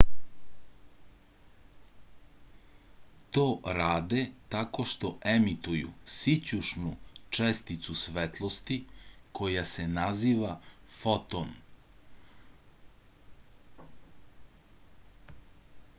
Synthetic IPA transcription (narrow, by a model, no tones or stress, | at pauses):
t̪oːɾaːd̪et̪ako̞ʃt̪oʔemit̪ujṵsit͡ɕuʃnut͡ʃest̪it̪susʋet̪lˠost̪ikʰo̞jase̞naziːʋafot̪on